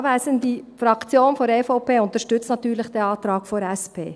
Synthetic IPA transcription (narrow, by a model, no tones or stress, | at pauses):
ʋæːsəndifɾɑkt͡sjoːnfɔɾeːfɔʊpʰeːʊnt̪əɾʃtʏt͡snɑt̪yːɾləχd̥ɛɑːt̪ɾɑːkfɔɾɛspʰḛː